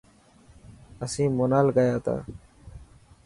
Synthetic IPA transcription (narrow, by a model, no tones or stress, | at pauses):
əsĩːmonaːlɡəjaːt̪a̰ː